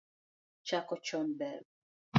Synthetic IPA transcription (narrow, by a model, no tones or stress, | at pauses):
t͡ʃakɔt͡ʃɔnbɛɾ